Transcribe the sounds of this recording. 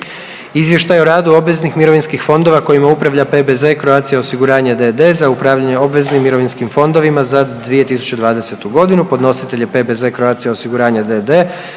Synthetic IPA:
izʋje̞ʃt̪ajeo̞ɾaːd̪uo̞bʋe̞znixmiɾo̞ʋinskixfo̞nd̪o̞ʋako̞imaupɾaʋʎape̞bezekɾoat̪sijaosiɡuɾaːɲad̪ed̪e̞ːzaupɾaːʋʎaɲe̞o̞bʋe̞znimːiɾo̞ʋinskimfo̞nd̪o̞ʋimazad̪ʋije̞t̪isu̥t͡ɕe̞d̪ʋaːd̪e̞se̞t̪uɡo̞d̪inupo̞d̪no̞sit̪e̞ʎepe̞be̞ze̞kɾoaːt̪sijaosiɡuɾaːɲad̪ed̪eː

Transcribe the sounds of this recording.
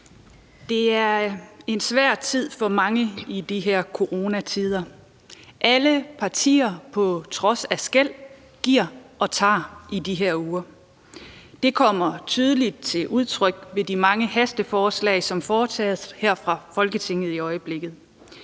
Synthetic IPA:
d̥e̝æɐe̝nsʋæɐ̰̥t͡sʰið̞̰ˠfɒ̽mɑ̈ŋəid̥iɦeɐ̰kʰo̝ʁo̝ːnæt͡sʰiːð̞ˠɐ | ʔæləpʰɑ̈t͡sʰḭːɐpʰɒ̽t͡sʰʁɒ̽sæsɡ̥el̰ | ɡ̥iɐ̰ʔɒ̽t͡sʰɑ̰̈ːid̥iɦeɐ̰uːɐ | d̥e̝kʰɒ̽m̰ɐt͡sʰyːð̞ˠəlid̥̚t͡sʰe̝lʔuð̞ˠt͡sʰʁœɡ̥ʋe̝d̥imɑ̈ŋəhæsd̥əfɒːslɛ̰ɪsɒ̽mfɒːt͡sʰɛ̰ːðˠheɐ̰fʁɑ̈fɒ̽lɡ̥ət͡sʰe̝ŋ̰ð̞̩ˠiɒ̽ɪəb̥le̝ɡ̥ð̩ˠ

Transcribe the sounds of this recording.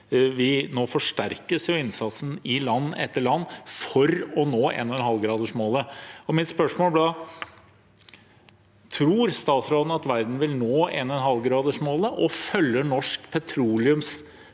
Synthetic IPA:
ʋɪnoːfɔʂʈæɾkəsjʊɪnsɑt̪sn̩ɪlɑnːɛt̪ːəɭɑnːfɔɾɔnoːʔɛ̰nɔnɦɑlɡɾɑːd̪əʂmoːləɔmɪt̪spœʂmoːlbɑ | t̪ʰɾuːɾst̪ɑːt̪sɾoːd̪n̩ɑt̪ʋæɾd̪n̩ʋɪlnoːɛnɛnɦɑlɡɾɑːd̪əʂmoːləʔɔfœlːəɳɔʂkpʰɛt̪ʰɾuːlɪʉms

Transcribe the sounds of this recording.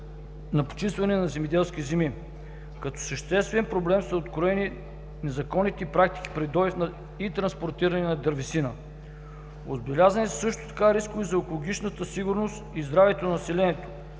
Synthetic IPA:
nɐpo̥t͡ʃist̪vɐnɛnɐzɛmɛd̪ɛlˠsk̟ʲizɛmi | kɐt̪ɔ̥səʃt̪ɛst̪vɛnpɾoblɛmsɐot̪kɾoɛni | nɛzɐkɔnit̪ɛipɾak̚t̪i̥k̟i̥pɾid̪ɔɛfnɐ | it̪ɾɐnspoɾt̪iɾɐnɛnɐd̪ɐɾvisinə | o̰zbɛlʲazɐnɛssɤʃt̪o̥t̪ɐ̥kaɾiskʊvizɐɛkolˠoɡ̟ʲit͡ʃnət̪əsiɡʊɾnost̪izd̪ɾavɛt̪onnɐsɛlɛnɛt̪o̥

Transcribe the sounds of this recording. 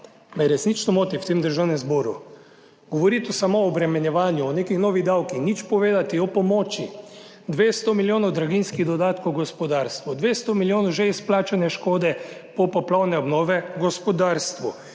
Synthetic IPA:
mɛɾɛsnit͡ʃnɔmoːt̪iwt̪eːmd̪əɾʒawnɛmzbɔːɾṵ | ɡ̥ɔʋɔɾit̪ɔsamoːbɾɛmɛnjɛʋaːnjuɔneːkixnɔːʋid̪awkixnit͡ʃpɔʋeːd̪at̪iɔpɔmɔːt͡ʃi | d̪ʋeːst̪omiljoːnɔwd̪ɾaɡinskiɣd̪ɔd̪aːt̪kowɡɔspɔd̪aːɾst̪ʋɔd̪ʋeːst̪omiljoːnɔʒɛisplaːt͡ʃanɛʃkoːd̪ɛpɔpɔplɔwnɛɔbnɔːʋɛɡɔspɔd̪aːɾst̪ʋu

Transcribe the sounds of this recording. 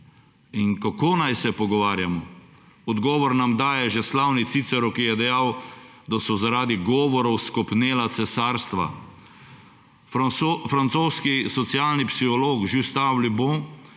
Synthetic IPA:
iŋkakoːnajsɛpɔɡɔʋaːɾjamɔ | ɔd̪ɡɔːʋɔɾnamd̪aːjɛʒɛslawnit̪sit̪sɛɾukijɛd̪ɛjaw | d̪asɔzaɾaːd̪iɡɔːʋɔɾɔwskɔpneːlat̪sɛsaːɾst̪ʋa̰ | fɾant̪soːskisɔt̪sjaːlnipsixɔloːkʒiwst̪aːwlibõ

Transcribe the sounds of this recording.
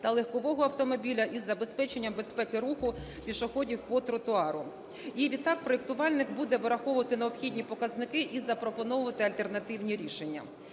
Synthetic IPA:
t̪ɐlˠexkɔʋɔɦɔɐwt̪ɔmɔbʲilʲɐʔizːɐbe̞spɛt͡ʃenʲːɐmbe̞spɛkɪɾuxʊ | pʲiʃɔxɔdʲiwpɔt̪ɾɔt̪ʊɑɾʊ | iʋʲid̪̚t̪ːɑk̚pɾɔek̚t̪ʊʋɑlʲnɪkbud̪ɛʋɪɾɐxɔʋʊʋɐt̪ɪneɔbxʲidʲnʲipɔkɐznɪkɪʔizɐpɾɔpɔnɔʋʊʋɐt̪ɪɐlʲt̪e̞rnɐt̪ɪwnʲiɾʲiʃe̞nʲːɐ̰

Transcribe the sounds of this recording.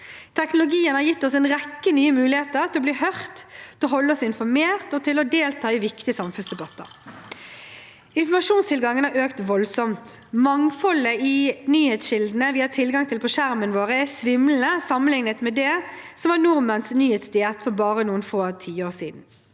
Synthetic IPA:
t̪ʰɛknʊlʊɡiːənhɑːɾjɪt̪ːɔsɛnʁɛkːənyːəmʉːlɪheːt̪əɾt̪ʰɪlɔbliːhœʁt̪ʰɔɦɔlːəɔsɪnfɔmeːʁt̪ɔt̪ʰɪlɔd̪eːlt̪ʰɑːɪʋɪkt̪ɪəsɑmfʉnsd̪ɛbɑt̪ːə̰ɾ | ɪnfɔmɑʃuːnst̪ʰɪlɡɑŋːənæøːkt̪ʋɔlsɔmt̪mɑŋfɔləinyːheːt̪sʃɪld̪n̩əʋiːɑt̪ʰɪlɡɑŋt̪ʰɪlpʰɔʃæɾmənʋoːʁəɛsʋɪml̩n̩əsɑmənlɪŋnət̪mɛd̪ɛ | sɔmʋɑːnʊɾmənsnyːheːt̪sd̪ɪɛt̪fɔɾbɑːʁənuːənfoːt̪ʰiːəoːʁsiːd̪n̩

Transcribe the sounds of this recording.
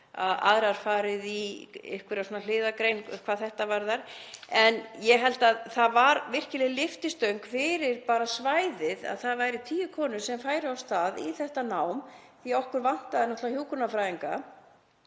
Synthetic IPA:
a̰ða̰ðɾaɾ̥faːɾɪðiɪ̰hkvɪɾasɔːnal̥ɪːðakɾejnkʰvaːðθɛht̪avaɾðaɾ̥ɛnjɛɦɛlt̪aðθaðvaɾvɪr̥cɪlɛɣlɪft̪ɪst̪œɥŋkfɪːɾɪɾpaːɾasvaːjðɪða̰ðθaðvaːjɾɪt̪ʰiːjʏkʰɔːnʏ̥sɛmfaːjɾɪawst̪aːðiθɛht̪anawm | θiɔhkʏɾvan̥t̪aðɪnɔht̪lahjuːwkunafɾaːjðiŋka̰

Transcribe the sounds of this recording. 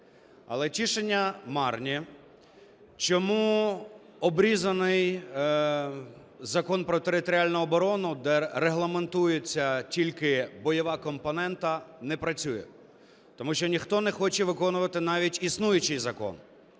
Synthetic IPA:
ɐ̰lˠɛtʲiʃenʲːɐmɑrnʲi | t͡ʃɔmu | ɔbɾʲizɐnɪj | zɐkɔnpɾɔt̪eɾɪt̪ɔɾʲialʲnʊɔbɔɾɔnʊd̪ɛɾeɦlˠɐment̪ujet͡sʲːɐtʲilʲkɪbɔjɔʋɑkɔmpɔnɛnt̪ɐnɛpɾɐt͡sʲujɛ̰ | t̪ɔmuʃt͡ʃɔnʲixt̪ɔnɛxɔt͡ʃɛʋɪkɔnʊʋɐt̪ɪnɑʋʲitʲisnujʊt͡ʃɪjzɐkɔ̰n

